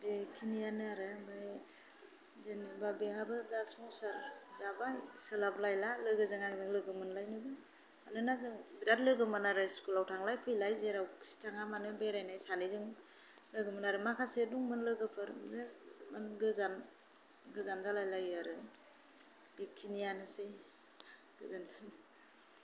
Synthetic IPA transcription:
bekʰinijanɯaɾɯbɯ | zɯnɯbabehabɯzasɔŋsaɾzabajsɯlab̚lajlalɯɡɯzɯŋaŋzɯŋlɯɡɯmɯnlajnɯbɯ | anɯnazɯŋbiɾat̚lɯɡɯmanaɾɯskulawtʰaŋlajpʰɯjlajzeɾawsi̥tʰaŋamanɯbeɾajnajsanizɯŋ | lɯɡɯmɯnaɾɯmakʰaseduŋmɯnlɯɡɯpʰɯɾzemɯnɡɯzan | ɡɯzanzalajlajaɾɯ | b̥ikʰinijanɯsej | ɡ̥ɯzana

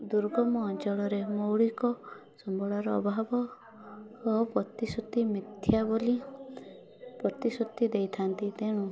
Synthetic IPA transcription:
d̪uɾɡɔmɔːnt͡ʃɔɭɔɾemowɭikɔ | sɔmbʱɔɭaɾɔːbʱabɔː | pɾɔt̪isut̪ːimit̪ʰːjaboli | pɾɔt̪isut̪ːid̪ejt̪ʰant̪it̪eɽ̃u

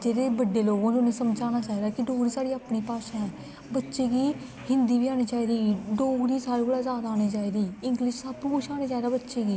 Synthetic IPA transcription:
d͡ʒeːɾeːbəɖeːloːɡãːnũːnẽːsəmd͡ʒaːnaːt͡ʃaːid̪aːkɪɖoːɡɾiːsaːɽiːaːpɳiːpaːʃãːɛ̃ː | bətːʃeːɡiː | hɪnd̪iːʋiːaːñiːt͡ʃaːiːd̪iːɖoːɡɾiːsaːɾeːbəɽaːzaːd̪aaːñiːt͡ʃaːiːd̪iːɪŋɡlɪʃsaupʊʃʰaːñeːt͡ʃaːid̪aːbətːʃeːɡiː

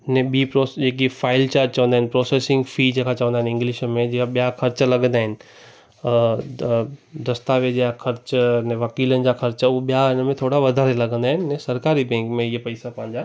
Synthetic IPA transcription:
nɛ̃ɓiːpɾoːsd͡ʑeːkifaːɪlt͡ɕat͡ɕɐʋə̃nd̪aːɦɪnɪpɾoːseːsɪ̃ŋɡfid͡ʑẽːkʰat͡ɕɐʋə̃nd̪aɦɪ̃nɪ̃ŋɡlɪʃmẽd͡ʑɪaɓijaxʰɐɾt͡ɕəlɐɡə̃nd̪aːɦɪnɪ̆ | ɾɐst̪aʋẽd͡ʑeakʰɐɾt͡ɕnɛ̃ʋɐkiːlənɪ̆d͡ʑaxɐɾt͡ɕəʊɓijaɪnəmẽt̪ʰoːɽaʋɐd̪ʱaɾelɐɡə̃nd̪aːɦɪnɪnɛ̃sɐɾkaːɾibɛ̃ːŋkmẽɪɦpɐɪsapɐ̃ɦɪ̃ɲd͡ʑaː

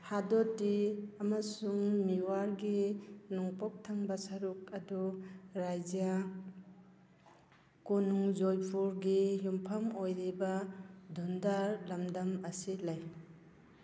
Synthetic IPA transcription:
hadɔtiɐmɐsuŋmiwaɾɡinuŋpɔk̚tʰaŋbɐsɐɾuk̚ɐduɾajd͡ʒja | kunuŋzojpʰuɾɡijumpʰɐmojɾibɐdundaɾlɐmdɐmɐsilaj

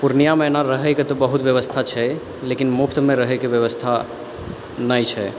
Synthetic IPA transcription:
puɾnijamenaɾəɦɛjket̪ɔbəɦut̪bjəβəst̪ʰat͡ʃʰɛ | lekinmupʰt̪meɾəɦɛjkebjəβəst̪ʰa | nəjt͡ʃʰɛ

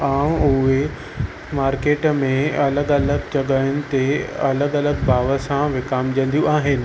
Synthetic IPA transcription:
ãːʊɦe | maːɾkeːʈmẽɐləɠɐləɡt͡ɕɐɠajʊnɪ̆t̪eɐləɡɐləɡbaːʋə̆sãʋɪkaːmd͡ʑɐ̃nd̪ijũaːɦɪnɪ̆

